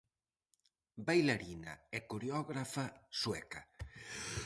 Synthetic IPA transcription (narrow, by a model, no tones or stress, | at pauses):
bajlaɾina̰ɛkuɾeɔɣɾafaswɛka